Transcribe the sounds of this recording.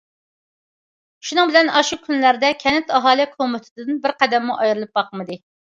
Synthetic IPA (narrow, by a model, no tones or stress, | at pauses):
ʃunɨŋbɪlɛnɑʃukʲʰynlæɾd̪ɛkʲʰɛnɛt̪ɑɦɑːlˠikʰomɪt̪ʰɪ̥t̪ʰɪd̪ɨnbɪɾqʰæd̪ɛmːuʔɑjɾɨlˠɨp̚bɑqəmɨd̪ɨ